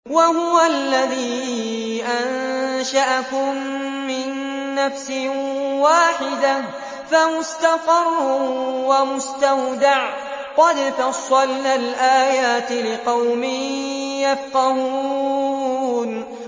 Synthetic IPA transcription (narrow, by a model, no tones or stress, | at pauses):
wahʊwalːaðiː | ʔanʃaʔakʊmː | ɪnːafsɪwaːħɪd̪ah | famʊst̪afɑrˤːʊwamʊst̪awd̪aʕ | qɑd̪t̪ɑsˤɑlːalʔaːjaːt̪ɪlɪqɑwmɪjafqɑɦu | n